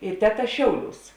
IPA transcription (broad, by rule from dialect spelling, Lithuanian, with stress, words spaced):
ɪ ˈtʲæːˌtɐ ˈʃʲɛʊˌlʲuːs